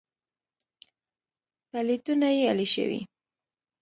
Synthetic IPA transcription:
t̪alɪt̪ʊnajealɪʃɪ̰wḭ

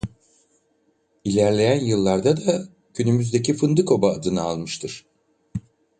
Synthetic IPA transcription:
ilʲæɾlʲe̞jænjɯlˠːaɾd̪ad̪a | cʰynymyzd̪e̞cifɯnd̪ɯkʰo̞baːd̪ɯnɯalˠmɯʃt̪ʰɯɾ̥

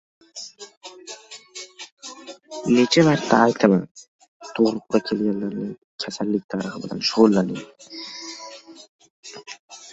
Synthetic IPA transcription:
net͡ʃʰavaɾt̪ːaːjt̪ʰama | t̪ʰoʁɾʊqqɑkʲʰe̞lɡʲanlːaɾnɪŋ | kʲʰasalːɪk̚ʲt̪ʰaɾɨχɪbɪla̰nʃʊʁʊlˠːanɪm

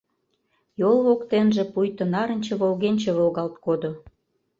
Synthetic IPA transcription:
jolˠβokt̪enʒĕpujt̪ənɑɾə̆nʲt͡ɕĕβolɣenʲt͡ɕĕβolɣɑlt̪kod̪o

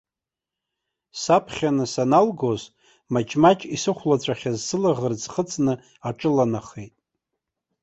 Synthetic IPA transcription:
sapʰχʲanɨsanalɡoz | mat͡ʃʰʼmat͡ʃʼisɨχʷlat͡ɕʷʰʼaχʲazsɨlaʁərd͡zχət͡sʼnɨ | aʈ͡ʂʼɨlanaχejtʼ

